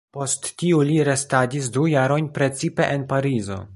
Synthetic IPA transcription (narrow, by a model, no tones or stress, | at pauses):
po̞stːiuliɾe̞stadis̬dujaɾo̞jnpɾe̞t͡sipe̞ʔenpaɾizo̞̰